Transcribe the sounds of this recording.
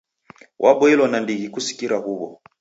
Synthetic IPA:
wʔaɓɔilɔnandiɣikusi̥kiɾahuβɔ

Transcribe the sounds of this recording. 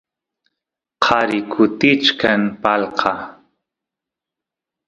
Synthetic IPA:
qʰɑɾɪkʰʊt̪ɪt͡ʃkanpɑlqʰɑ

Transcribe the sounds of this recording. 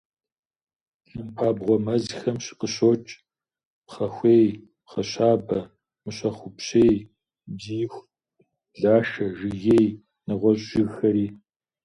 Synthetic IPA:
ɬɨmpʰaːbʁʷɔmɐzxɐmɕɪ̥qəɕoːt͡ʃʼ | pχɐxʷeːj | pχɐɕaːbɐ | mɨɕɐχʷʊpɕeːj | diːxʷ | ɮaːʃɐʒɨɣeːj | nɨʁʷɔɕʼɪɣxɐɾiː

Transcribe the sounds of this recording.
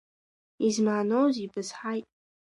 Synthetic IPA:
izmaːnowzibɨzħajtʼ

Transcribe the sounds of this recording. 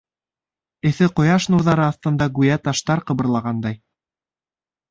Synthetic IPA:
ɘ̆θɘqŏjɑʃnuɾðɑɾɤɑθt̪ɤ̆nd̪ɑɡujæt̪ɑʃt̪ɑɾqɤ̆βɤ̆ɾlˠɑʁɑnd̪ɑj

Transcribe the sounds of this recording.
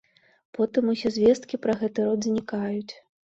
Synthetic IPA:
pɔt̪ɨmusʲɛzʲvʲɛst̪kʲipɾɐɣɛt̪ɨɾɔd̪zʲnʲikajut͡sʲ

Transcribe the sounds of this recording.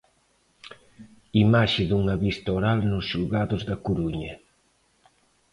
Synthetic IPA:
imaʃɪðuŋaβist̪ɐoɾalnʊsʃulɣaðʊzðɐkuɾuɲɐ

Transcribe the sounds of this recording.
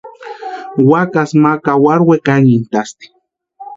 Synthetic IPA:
wakasmakawaɾwekaŋint̪ast̪i̥

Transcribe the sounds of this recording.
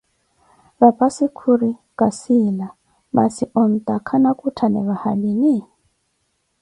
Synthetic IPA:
βapʼasikʰuɾi | kasila | ma̰siʔɔn̩tʼakʰanakʼutʰanɛ̰βahalini

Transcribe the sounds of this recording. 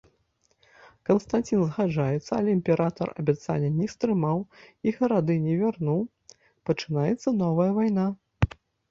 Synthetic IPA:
kɐnst̪anʲt͡sʲinzɣaʐajɛt̪sːɐɐlʲɛimʲpʲɛɾʔat̪ɐ̰rɐ̰bʲat̪sa̰lʲːɐnʲɛst̪ɾɨmawiɣɐɾad̪ɨnʲɛvʲarnuw | pɐt͡ʂɨnajɛt̪sːɐnɔvɐjɐvajna

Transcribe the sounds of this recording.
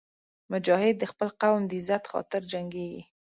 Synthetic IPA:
mʊd͡ʒɑhɪd̪̚ːəxpəlqawmd̪əɪzat̪xɑ̰t̪ɪɾd͡ʒaŋɡeɡḭ

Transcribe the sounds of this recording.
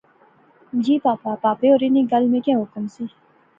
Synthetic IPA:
d͡ʒiːpaːpapaːpeoːɾiniɡɐlmẽkãːɦʊkəmsiː

